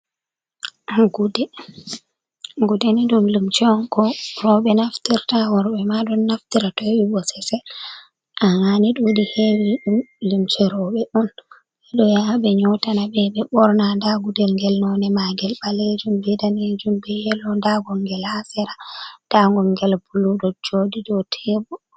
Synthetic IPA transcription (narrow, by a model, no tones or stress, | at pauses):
ɡudɛ | ɡudɛniɗumlumt͡ʃɛɔnkɔrɔɓɛnaftiɾtawɔɾbɛmaɗɔnːaftiɾatɔwibɔsɛsɛ | ʔaŋaniɗuwdihewiɗumlimt͡ʃɛɾɔɓɛɗɔn | ɛɗɔjaɓɛɲɔtanabɛɓɛɓɔɾnandaɡudɛlŋɡɛlnɔnɛmaɡɛlɓaled͡ʒumbɛdaned͡ʒumbɛjɛlɔndaɡɔŋɡɛlasɛɾad̥aŋɡɔŋɡɛlbuluɗɔd͡ʒodidɔtʰɛbɔ